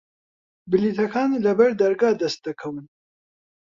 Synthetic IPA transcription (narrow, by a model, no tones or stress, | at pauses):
bɨlit̪ʰɐkʰɑːnlɐbɐɾd̪ɐɾɡɑːd̪ɛst̪̚d̪əkʰɐwɨn